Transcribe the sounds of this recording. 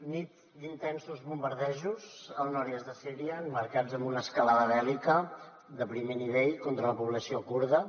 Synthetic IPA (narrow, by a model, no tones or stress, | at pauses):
nit̪ | d̪int̪ɛnsuzβumbəɾðɛʒuzəlˠnɔɾjəzðəsiɾiəməɾkad͡zəmbunəskəlaðəβɛlikə | d̪əpɾimeniβ̞eʎkɔnt̪ɾələpuβ̞ləsiokuɾðə